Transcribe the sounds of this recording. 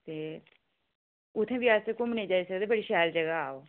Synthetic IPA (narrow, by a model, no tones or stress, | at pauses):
t̪eː | ʊt̪ʰːẽbijaːsekʊmnẽd͡ʒaːisəkd̪eːbəɽiʃɛːld͡ʒəɡaaːoː